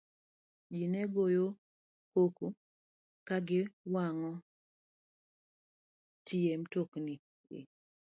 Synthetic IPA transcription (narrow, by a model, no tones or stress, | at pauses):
d͡ʒinɛɡojo | koku | kaɡɪwaŋɔ | tʰiemtokni | ɪ̰